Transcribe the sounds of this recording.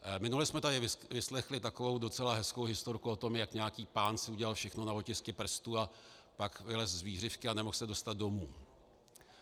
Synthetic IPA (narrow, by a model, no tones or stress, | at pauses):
mɪnulɛsmɛt̪adɪvɪvɪslɛxlɪt̪ako̞vo̞wdo̞t͡sɛlaɦɛsko̞wɦɪst̪oɾkuo̞t̪o̞mjakɲɛjakiːpaːnsɪuɟɛlalfʃɛxno̞navo̞cɪskɛpr̩st̪uapakvɪlɛszviːr̝ɪfkɪanɛmoxsɛdo̞st̪ad̪̚do̞muː